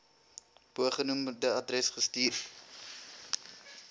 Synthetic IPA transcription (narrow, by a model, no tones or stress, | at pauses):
puəχənumədəɐdrɛsχəstiːr